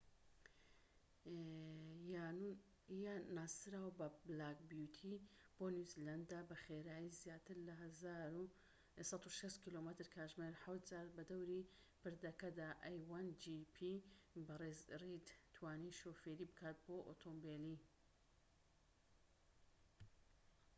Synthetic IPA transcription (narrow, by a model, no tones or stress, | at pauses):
janaːsɨɾaːwbɐblaːkbjut̪ʰib̥onuziland̪aːbɐxeɾaːjizjaːt̪ʰɨɾlɐɦɐzaːɾu | sɑt̪uʃɐʃt̪kilomət̪ɨɾkʰaːʒmeɾħawt̪̚zaːɾbɐd̪ɐwɾi | pɨɾd̪ɐkɐd̪aːʔajwand͡ʒipʰibɐrezrid̪t̪ʰwaːniʃoːfeɾibɨkʰaːt̪̚boːʔot̪ʰombeli